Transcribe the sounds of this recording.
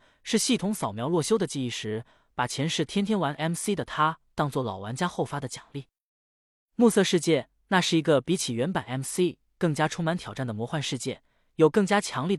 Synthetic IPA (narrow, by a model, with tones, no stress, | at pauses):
ʂɻ̩˥˧ɕi˥˩t̪ʰʊ˧˥ŋsɑ˨˩ʊmjɑ˧˥ʊlwɔ˥˩ɕjo˥ʊd̪ə˨t͡ɕi˥˧i˥˩ʂɻ̩˧˥ | pa˨˩t͡ɕʰjɛ˧˥nʂɻ̩˥˩t̪ʰjɛ˥nt̪ʰjɛ˥nwa˧˥nʔɛ˥msi˥d̪ə˨t̪ʰa˥t̪ɑ˥˧ŋt͡swɔ˥˩lɑ˨˩ʊwa˧˥nt͡ɕja˥xo˥˩ʊfa˥d̪ə˨t͡ɕjɑ˨˩ŋli˥˩ | mu˥˧sɤ˥˧ʂɻ̩˥˧t͡ɕjɛ˥˧ | na˥˧ʂɻ̩˥˩i˧˥ɡə˧pi˧˥t͡ɕʰi˨˩ɥɛ˧˥npa˨˩nɛ˧˥msi˥ | kɤ˥˩ŋt͡ɕja˥ʈ͡ʂʰʊ˥ŋma˧˥nt̪ʰjɑ˨˩ʊʈ͡ʂa˥˩nd̪ə˩mwɔ˧˥xwa˥˧nʂɻ̩˥˧t͡ɕjɛ˥˩ | jo˨˩ʊkɤ˥˩ŋt͡ɕja˥t͡ɕʰjɑ˧˥ŋli˥˩